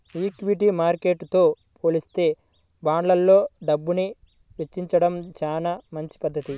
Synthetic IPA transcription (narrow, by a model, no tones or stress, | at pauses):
iːkʋiʈimaːɾke̞ːʈːt̪o̞ː | pʰo̞ːlist̪e̞ː | baːɳlɐlːo̞ːɖɐbːuni | ʋet͡ʃːiɲt͡ʃɐɽɐmt͡ʃaːnaːmɐɲt͡ʃi̥pɐd̪ʱːɐt̪i